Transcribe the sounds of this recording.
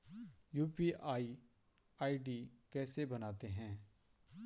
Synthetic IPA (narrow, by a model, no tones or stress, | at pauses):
juːpiaːi | aːiɖikɛːsebɐnaːt̪eɦɛ̃ː